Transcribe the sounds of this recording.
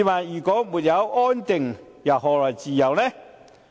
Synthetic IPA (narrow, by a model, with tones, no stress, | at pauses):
maː˨njyː˨˩kɔː˨˥muː˨t̚jɐ˨˧wʔɔː˥nt̪ɪ˨ŋ | jɐ˨˩wɦɔː˨˩lɔː˨˩jt͡siː˨jɐ˨˩wnɛ˥